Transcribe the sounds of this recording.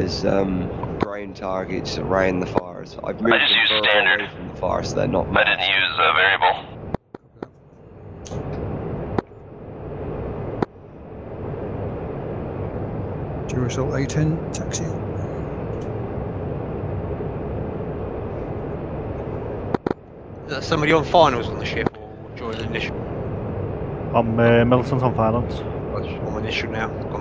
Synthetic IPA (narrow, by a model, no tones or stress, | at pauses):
əzʌ̃mɡ̥ɹẽɪ̃ntʰɑɹɡɪ̰tsəɹãɪʊ̃nðəfɑ̰ːɹsa̰ɪvmʉɪːd͡ʒʌjʉːz̥stæ̃ndə˞fɹə̃mðəfɑ̰ːɹsðə̰nə̰ʔmaɪdɪdⁿn̩jʉzəvɛɹiəbl̩ˠ | d͡ʒəɹəsəlˠʔeɪtʰə̃ntʰaksi | ðə̥sʌ̃mbɔðiə̃nfaɪnəlˠzn̩ðəʃɪfə | d͡ʒɔ̃ɪ̃ŋə̃nɪʃu | ãɪ̃məmɪlˠtə̃nsɔ̃nfaɪlˠə̃nsɔ̃mə̃nɪʃunaʊɡ̥ɔ̃